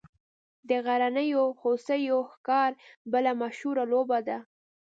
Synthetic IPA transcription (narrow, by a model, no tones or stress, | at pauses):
d̪əɣaɾanəjohosəjoxkɑɾbəlamaʃhuɾalobad̪a